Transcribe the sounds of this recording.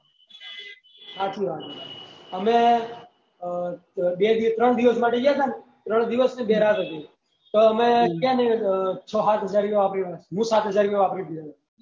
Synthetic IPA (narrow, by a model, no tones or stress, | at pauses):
ɦat͡ʃʰuɦat͡ʃʰuəme | bed̪it̪ɾəɳd̪iʋəsmaʈed͡ʒat̪ane | t̪ɾəɳ̃d̪iʋəsnebeɾat̪ɦət̪i | t̪oəmekanət͡ʃʰəɦat̪ɦəd͡ʒaɾeʋapɾiasɦũsat̪ɦəd͡ʒaɾpeʋapɾib̪id͡ʒat̪a